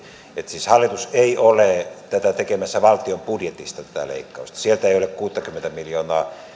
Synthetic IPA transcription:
et̪siːshɑlːˑit̪useiolet̪æt̪æt̪ekemæsːæʋɑlt̪iompudjet̪ist̪ɑt̪æ̥t̪æ̰lḛikːɑˑust̪ɑ̥sielt̪æeˑiolekkuːt̪ːɑkymːent̪æmiljoːnɑːˑ

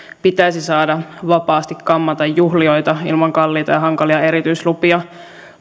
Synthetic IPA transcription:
pit̪æjsisɑːdɑʋɑpɑːst̪ikkɑmːɑt̪ɑjːuɦlio̞jt̪ɑḭlmɑŋkɑlːiːt̪ɑjɑɦɑŋkɑliɑe̞ɾit̪yjslupiɑ

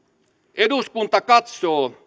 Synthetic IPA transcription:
ed̪uskunt̪akat̪so

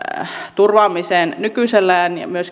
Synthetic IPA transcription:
t̪urʋɑːmiseːnnykyselːæːnjɑ̰myøs

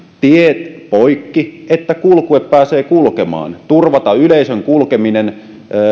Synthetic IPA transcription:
t̪iet̪poikːiet̪ːækulkueppæːseːkulkemɑ̰ːnt̪urʋɑt̪ɑyleisøŋkulkeminenː

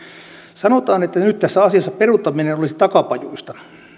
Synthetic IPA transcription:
sɑnot̪ɑːnet̪ːænyt̪tæsːæɑsiɑsːɑperut̪ːɑminenolisit̪ɑkɑpɑjuist̪ɑ

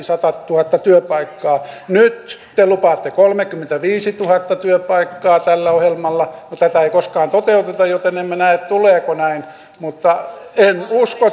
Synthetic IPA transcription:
sɑt̪ɑt̪uhɑt̪ːɑt̪yøpɑikːɑːnyt̪t̪elupɑt̪ːekolmekːymːent̪æʋiːsit̪uhɑt̪ːɑt̪yøpɑikːɑːt̪ælːæohjelmɑlːɑnot̪æt̪æeikoskɑːnt̪ot̪eut̪et̪ɑjot̪enemːenæet̪t̪uleːkonæin | mut̪ːɑ | enusko

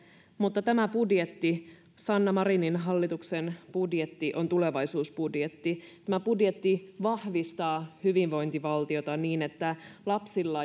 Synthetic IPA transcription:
mut̪ːɑt̪æmæpudjet̪ːi | sɑnːɑmɑɾininɦɑlːit̪uksenpudjet̪ːiʔo̞nt̪ule̞ʋɑisuːspudjet̪ːit̪æmæpudjet̪ːiʋɑhʋist̪ɑːhyʋiʋʋo̞jnt̪iʋɑlt̪io̞t̪ɑniːnet̪ːælɑpsilːɑ

